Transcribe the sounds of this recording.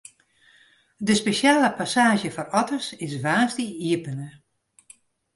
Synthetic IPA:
dəspeʃjaːləpasaːʒjəfɔrɔtərsɪsʋaːstiiəpənə

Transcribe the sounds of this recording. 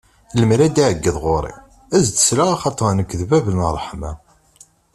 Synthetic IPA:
ləmɾæd̪iʕəɡːəðʁoɾˤḭ | æzt̪ə̥slaʁɑχɑt̪ˤəɾˤnəkːðvævəlnərˤːəħmæ

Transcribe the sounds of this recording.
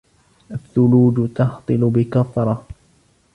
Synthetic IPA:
ʔaθːʊluːd͡ʒt̪ɑht̪ˤɨlʊbɪkaθɾˤɑ

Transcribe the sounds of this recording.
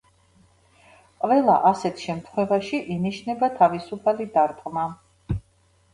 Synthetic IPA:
qʼvɛlˠa̰ʔasɛt̪ʰʃɛmt̪ʰχwɛvaʃiʔiniʃnɛbat̪ʰavisupʰalid̪aɾt̪ʼqʼma

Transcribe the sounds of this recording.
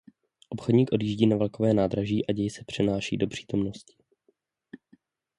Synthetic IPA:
ʔo̞pxodɲiːkʔo̞djiːʒɟiːnavɛlko̞vɛːnaːd̪ɾaʒiːʔaɟɛjsɛpr̝̥ɛnaːʃḭːdo̞pr̝̥i̥ːt̪o̞mno̞scɪ̥

